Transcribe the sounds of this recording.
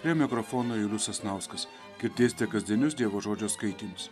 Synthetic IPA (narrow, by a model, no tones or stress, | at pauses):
pɾʲiɛmʲɪkɾɔfoːnoːjʊlʲʊsɐsnɐʊskɐs | kʲɪɾʲt̪ʲeːsʲt̪ʲɛkɐzʲd̪ʲiɛnʲʊs̬d̪ʲiɛʋoːʒoːd͡ʒʲoːskɐɪt̪ʲiːmʲɪs